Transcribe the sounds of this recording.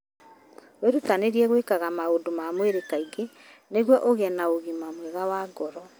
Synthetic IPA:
weɾutaneɾiɛɣwekaɣamaodomamweɾekaiɡe | neɣwɔʔoɣɛnaoɣimamwɛɣawaɡɔɾɔ

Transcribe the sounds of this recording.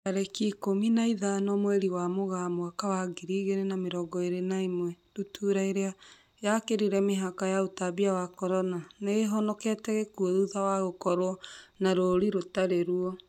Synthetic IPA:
kaɾɛkikominaiðanɔmwɛɾiwamoɣamoakawaɡiɾiːɣeɾenameɾɔɡɔeɾenaimwɛdutʰuɾaiɾea | jakeɾiɾɛmeɦakajautaβiawakɔɾɔnaneɣeɦɔnɔkɛtɛɣekuɔðuðawaɣokɔɾwɔnaɾoɾiɾotaɾeɾuɔ

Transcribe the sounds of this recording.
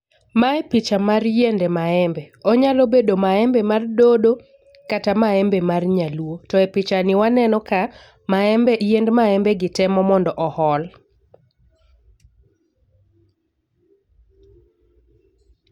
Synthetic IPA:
maɛpɪt͡ʃamarjendɛmaɛmbɛɔɲalobedomaɛmbɛmardodo | katamaɛmbemarɲaluotɔɛpɪt͡ʃanɪwanɛnɔka | maɛmbɛjendmaɛmbɛɡɪtɛmɔmɔndɔʔɔhɔl

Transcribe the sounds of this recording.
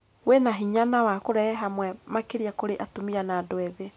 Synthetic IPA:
wenaɦiɲanawakoɾɛɛɦamwɛmakeɾiakoɾeʔatomiɾanadwɛðe

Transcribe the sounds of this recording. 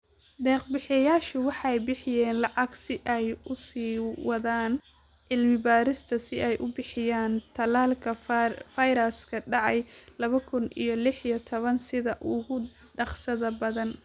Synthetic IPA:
d̪ɛːqbɪħɪjaːʃʊwɑħɑjbɪħɪjɛːnlɑʕɑɡsɪʔɛjʊsiːwɑðaːn | ʕɪlmɪbaːɾɪst̪ʰɐsɪʔɛjʔʊbɪħɪjaːnt̪ʰɐlaːlkʰɐfajɾɐskʰɐɖɑʕɑjlɐβɐkʰʊnʔḭjɞlɪħijɐt̪ʰɔβɐnsɪðɐʔʊɣʊ | ɖɑqsɐðɐbɐðɐn

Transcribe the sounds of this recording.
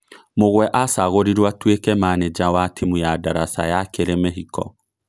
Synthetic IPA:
moɣwɛʔasaɣoɾiɾwatwekɛmaned͡ʒawatʰimujadaɾasajakeɾemeɦikɔ̰

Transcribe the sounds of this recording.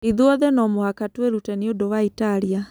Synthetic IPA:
iðuɔðɛnɔmohakatweɾutɛniodowaitaɾia

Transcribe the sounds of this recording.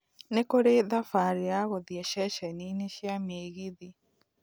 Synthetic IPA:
nekoɾeðafaɾeaɣoðiɛʃɛʃɛnineʃjameːɣeði

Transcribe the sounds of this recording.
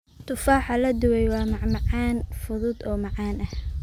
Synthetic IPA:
t̪ʰʊfaːħɑlɐd̪ʊwɛjwɑːmɑʕmɑʕɑːnfʊðʊd̪ɔːmɑʕɑːnʔɐh

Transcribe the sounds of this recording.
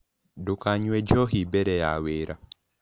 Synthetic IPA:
dʊkaɲwed͡ʒɔɦibɛɾɛja̰weɾa

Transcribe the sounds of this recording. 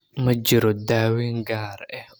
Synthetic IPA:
mɐd͡ʒɪɾɔd̪aːwiːŋɡaːɾɛ

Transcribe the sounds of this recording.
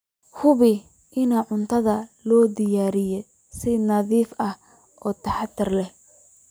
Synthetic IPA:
hʊβɪ | ʔɪnaːʕʊnt̪ʰɐðɐlɔːd̪ɪjaːɾɪjɛ | sɪnɐðiːfʔɐh | ʔɔːt̪ʰɐħɑt̪ʰːɪrlɛh

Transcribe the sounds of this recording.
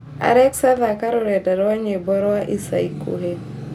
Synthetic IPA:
a̰ɾɛksavakaɾɔɾɛdaɾɔwaɲebɔɾɔaʔisa̰ikṵɦe

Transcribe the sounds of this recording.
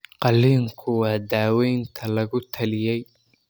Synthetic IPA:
qɑlːiːŋkʰʊwɑːd̪aːwɛjnt̪ʰɐlɐɣʊt̪ʰɐlɪjɛj

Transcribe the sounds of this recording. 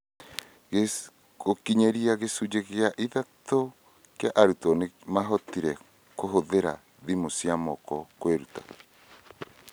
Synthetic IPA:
e | kokiɲeɾiaɣesud͡ʒeɣeaʔiðato | kjaʔaɾutɔnemaɦɔtiɾɛ | koɦoðeɾa̰ | ðimosiamɔkɔkweɾuta̰

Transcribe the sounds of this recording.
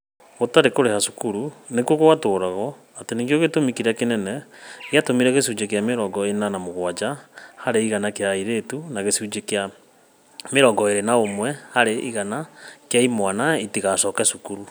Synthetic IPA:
otaɾekoɾehasu̥kuɾunekwokowatoːɾaɣɔ | ateniŋɡjoɣetomikiɾakenɛnɛɣeatomiɾɛɣesud͡ʑekeameɾɔɡɔenanamoɣwad͡ʒahaɾeiɣanakeaiɾetunaɣesud͡ʒekea | meɾɔɡɔeɾenaomwɛhaɾeʔiɣanakjaimwanaitiɣasɔkɛsukuɾu

